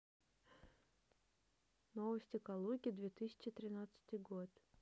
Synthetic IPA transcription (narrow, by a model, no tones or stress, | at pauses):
novəsʲtʲɪkalˠuɡʲd̪vʲet̪ɨsʲɪ̥t͡ɕɪt̪ɾʲɪnat̪sɨ̥t̪ɨjɡot̪